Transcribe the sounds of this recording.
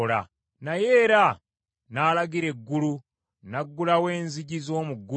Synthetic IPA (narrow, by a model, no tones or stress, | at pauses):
ola̰ | naje̞ːɾa | naːlaɡiɾe̞ɡːulu | naɡːulawe̞ːnziɟizo̞ːmuɡːu